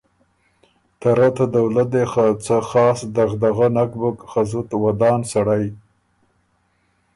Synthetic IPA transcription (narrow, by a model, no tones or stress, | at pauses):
t̪aɾat̪ad̪awlat̪̚d̪exat͡saxɑːsd̪aɣd̪aɣanakbʊkxazʊt̪wad̪ɑːnsaɽaj